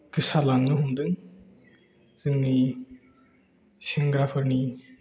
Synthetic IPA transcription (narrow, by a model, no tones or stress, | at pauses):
kɯsalaŋnɯɦumd̪ɯŋ | z̥ɯŋni | seŋɡɾapʰɯɾni